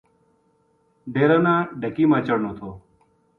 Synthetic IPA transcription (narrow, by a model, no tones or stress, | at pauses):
ɖeːɾaːnãːɖʱəkiːmãːt͡ʃəɽnoːt̪ʰoː